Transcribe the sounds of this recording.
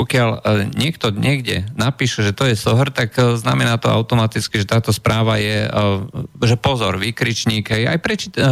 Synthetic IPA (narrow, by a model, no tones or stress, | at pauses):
ɔkɪalɲɪɛkt̪ɔɲɪɛɡɟɛ̰napiːʃɛʒɛt̪ɔjɛsɔɦrt̪akznamɛnaːt̪ɔa̰ʊt̪ɔmat̪it͡skiʒɛt̪aːt̪ɔspɾaːʋajɛ | ʒɛpɔzɔɾʋiːkɾit͡ʃɲiːɡɦɛja̰jpɾɛt͡ʃi